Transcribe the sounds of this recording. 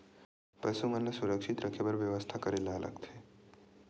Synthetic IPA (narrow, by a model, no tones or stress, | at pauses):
pəsumənlasuɾəkʃit̪ɾəkʰebəɾʋjəʋəst̪ʰakəɾelaːlʔə̰ɡt̪ʰe